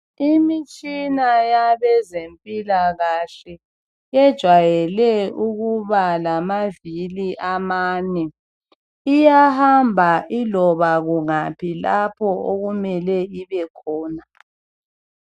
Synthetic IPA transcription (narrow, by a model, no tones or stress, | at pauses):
imit͡ʃʼinajaβɛzempʼilaɣaɬɛ | jɛd̥ʒ̥ʱwajɛlɛuɣuβalamaviliʔamaːnɛ | ijahambʱaʔilɔβaɣuŋapʰilapʰɔoɣumɛlɛiβɛkʰɔːna